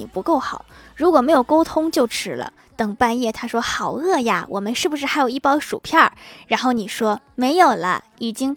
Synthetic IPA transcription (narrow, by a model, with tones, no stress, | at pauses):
i˨˩pu˧˥ko˥˩ʊxɑ˨˩˦ɻu˧˥kwɔ˨˩me˧˥jo˨˩ʊko˥ʊt̪ʰʊ˥ŋt͡ɕjo˥˩ʊʈ͡ʂʰɻ̩˥lə̰˧ | t̪ɤ˨˩ŋpa˥˧njɛ˥˩t̪ʰa˥ʂwɔ˥xɑ˨˩ʊɤ˥˧ja̰˧wʔɔ̰˨˩mə˦nʂɻ̩˥˩bu˩ʂɻ̩˥˩xa˧˥ɪjo˨˩ʊi˥˩pɑ˥ʂu˨˩pʰjɑ˥˩ɻa˧˥nxo˥˩ʊni˨˩ʂwɔ˥me˧˥ɪjo˨˩ʊlə̰˦i˨˩t͡ɕi˥ŋ